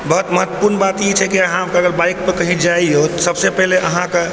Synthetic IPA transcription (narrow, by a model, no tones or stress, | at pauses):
bəɦut̪məɦət̪wəpuɾnbat̪jet͡ʃʰɛkiəɦãkaɡəlbaikpəkəɦĩd͡ʒaiɦot̪səbsepɛɦleʔəɦãke